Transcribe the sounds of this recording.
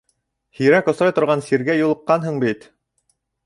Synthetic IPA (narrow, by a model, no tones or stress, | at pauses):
hiɾækŏsɾɑjt̪ŏɾʁɑnsiɾɡæjulˠɤ̆qːɑnɦɤɴbit̪